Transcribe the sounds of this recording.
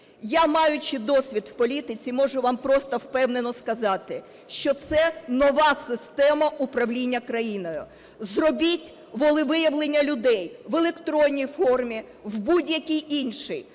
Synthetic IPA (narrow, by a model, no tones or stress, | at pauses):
jamɑjʊt͡ʃɪd̪ɔsʲʋʲid̪w̥pɔlʲit̪ɪt͡sʲimɔʒʊʋɑmpɾɔst̪ɐwpɛwnenɔskɐzɑt̪ɪ | ʃt͡ʃɔt̪sɛnɔʋɑsɪst̪ɛmɐʔʊpɾɐʋlʲinʲːɐkɾɐjinɔjʊ | zrɔbʲitʲ | ʋɔlˠɪʋɪjɐʋlˠenʲːɐlʲʊd̪ɛjʋelˠekt̪ɾɔnʲːijfɔrmʲi | wbudʲjɐkʲijinʲʃɪj